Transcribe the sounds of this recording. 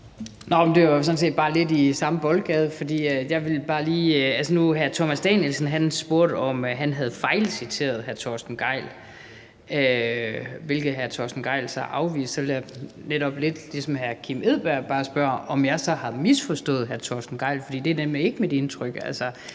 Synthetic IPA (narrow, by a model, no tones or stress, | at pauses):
nɒmnd̥e̝ʋɑsɒ̽nse̝̰ːd̥̚b̥ɑ̈ːle̝disɑ̈məb̥ɒ̽lɡ̥ɛð̞ˠəfɒ̽d̥ḭːjɑ̈ɪʋe̝lb̥ɑ̈ːliːælsənuɦæɐt͡sʰɒmæsd̥ɛnjelsn̩ɦænsb̥o̝ɐ̰d̥ɒ̽mɦænɦæð̞̩ˠfɑ̈ɪlsit͡sʰe̝̰ːɐð̩ˠɦæɐt͡sʰɒːsd̥n̩ɡ̥ɑ̈ɪ̰l | ø | ʋe̝lɡ̥ð̩ˠɦæɐt͡sʰɒ̰ːsd̥n̩ɡ̥ɑ̈ɪ̰lsɑɪʔɑ̈ʊʋḭːssɒʋe̝ljaneɾ̥ɒ̽b̥le̝d̥lisɒ̽mhæɐkʰime̝ð̰ˠb̥æɐ̰b̥ɑ̈ːsb̥ɶɐɒ̽mjɑ̈ɪsɒ̽hɑ̈misfɒ̽sd̥ɔ̰ːð̩ˠɦæɐt͡sʰɒ̰sd̥n̩ɡ̥ɑ̈ɪ̰lfɒd̥ḭːd̥e̝æɐd̥enmee̝ɡ̥əmid̥e̝nt͡sʰʁœɡ̥ælsɒ